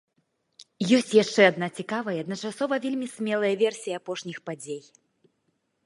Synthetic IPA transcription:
jɔsʲt͡sʲjaʂt͡ʂɛad̪nat͡sʲikavɐjɐɐd̪nɐt͡ʂasɔvɐvʲelʲmʲisʲmʲɛlˠɐjɐvʲɛrsʲijɐapɔʂnʲixpad͡zʲej

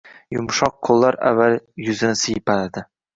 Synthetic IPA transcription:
jʊmʃɒq̚qʰːolˠːaɾa̰vːaljʊzɪnɪsɪjɪpʰalad̪ɪ

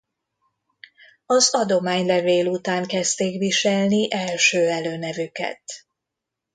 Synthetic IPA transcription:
ɒzɒd̪o̞maːɲlɛveːlut̪aːŋkɛst̪eːkviʃɛlniʔɛlʃøːɛløːnɛvykɛ̰t̪

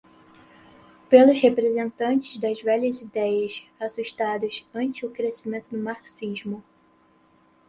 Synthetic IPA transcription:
pelʊshepɾezẽnt̪ɐ̃nt͡ʃɪzd̪ɐzvɛʎɐzid̪ɛjɐsasuʃt̪ad̪ʊsɐ̃nt͡ʃɪʊkɾesimẽnt̪ʊd̪ʊmaksiʒmʊ

